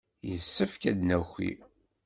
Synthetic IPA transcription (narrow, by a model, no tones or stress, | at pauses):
jəsːəfkæd̪næxʷḭ